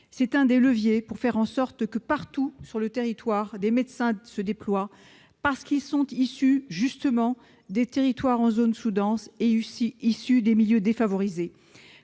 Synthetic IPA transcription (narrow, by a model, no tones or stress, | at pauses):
sɛt̪ɛ̃d̪eləvjepuʁfɛʁɑ̃sɔʁt̪kəpaʁt̪usyʁlət̪eʁit̪waʁd̪emed̪sɛ̃səd̪eplwa | paʁsə̥kilsɔ̃t̪isyʒyst̪əmɑ̃ | d̪et̪eʁit̪waʁɑ̃zonsud̪ɑ̃seysiisyd̪emiljød̪efavɔʁize